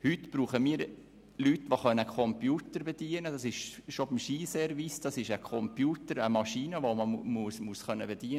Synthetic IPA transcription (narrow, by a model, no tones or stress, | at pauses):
hytb̥ɾuːχəmiːɾ | lytːʋoχœnːəkʰɔmpjuːt̪əɾbed̥iənədɑsɪʃʃobimʃiːsɛɾʋisd̥ɑsɪʃəkʰɔmpjuːtəɾəmɑʃiːnəʋoməmusmusχœnːəbɛd̥iən